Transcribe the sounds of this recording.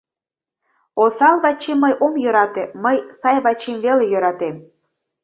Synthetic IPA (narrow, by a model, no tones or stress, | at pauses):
osɑlβɑt͡ɕemːəjʔomjøɾɑt̪eməjsɑjβɑt͡ɕemvelejøɾɑt̪em